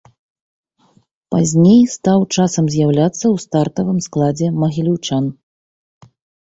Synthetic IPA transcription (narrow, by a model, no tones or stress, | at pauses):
pazʲnʲejst̪awt͡ʂasɐmzʲjawlʲat̪sːɐwst̪art̪ɐvɨmsklˠad͡zʲɛmɐɣʲilʲuwt͡ʂan